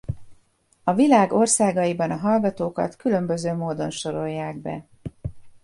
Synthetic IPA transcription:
ɒvilaːɡorsaːɡɒjibɒnɒɦɒlɡɒt̪oːkɒ̰t̪kylø̞mbø̞zøːmoːd̪o̞nʃo̞ɾo̞jːaːɡbɛ̰

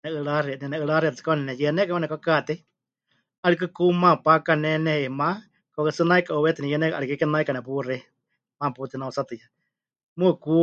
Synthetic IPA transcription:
nɛɨɺaɾinɛnɛɨɺaɾit̪t͡sɨ̥kanɛnɛjɛnɛkawɛnɛkɔkat̪ɛ | alik̬ɨkumãpakanɛnɛhɛimã | kɔkɨsɨnaikaʔowɛt̪inɛjɛnɛkʔaɾikɨkɛnaikanɛp̬urɛ | mãput̪inausat̪ɨja | mɨku

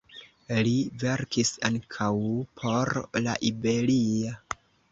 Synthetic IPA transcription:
live̞ɾkisaŋkʰawpʰo̞ɾla̰ʔibe̞lio

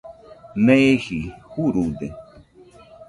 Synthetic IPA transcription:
nehihuɾud̪e

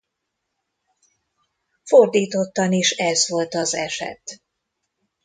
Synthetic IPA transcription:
fo̞rd̪iːt̪o̞t̪ːɒniʃɛzʋo̞lt̪ɒzɛ̰ʃɛ̰t̪

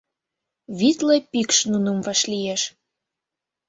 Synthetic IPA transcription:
βit̪lepikʃnunəmvɑʃlijeʃ

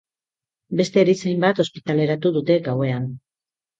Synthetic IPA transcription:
be̞st̪e̞ːɾisejmbat̪o̞spit̪ale̞ɾat̪uðut̪e̞ɡawe̞an

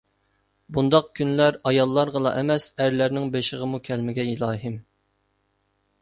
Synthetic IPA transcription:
bund̪ɑq̚kʲʰynlæɾɑjɑlˠːɑɾʁəlˠɑ̰ʔɛmɛsæɾlæɾnɪŋbeʃɪʁəmukʲʰɛlmɪɡʲɛilˠɑːɦɪm

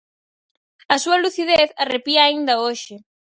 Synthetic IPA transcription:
ɐsuɐluθiðeθɐrepiaaind̪ɐoʃɪ

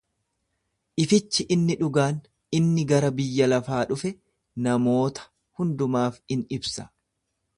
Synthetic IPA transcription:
ʔɪfɪt͡ʃːɪʔɪnːɪᶑʊɡaːn | ɪnːɪɡɐɾɐbɪjːɐlɐfaːᶑʊfɛ | nɐmo̞ːt̪ɐ̥ | hʊnd̪ʊmaːfɪnɪbsɐ

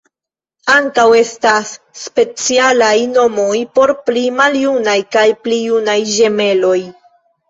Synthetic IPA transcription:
aŋkawe̞stasː | pe̞t͡sialajno̞mo̞jpo̞ɾplimaljunajkajplijunajʒe̞me̞lo̞j

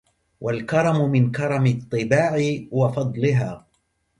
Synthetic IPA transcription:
wʔalkɑɾˤɑmʊmɪnkɑɾˤɑmɪt̪ˤːɨbaːʕɪwɑfɑd̪ˤlɪɦaː

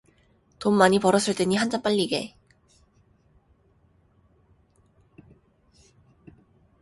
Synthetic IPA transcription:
tommaɲipʌɾʌs͈ʰɯɭt͈e̞ɲiɦand͡ʑanp͈aʎːiɡe̞̰

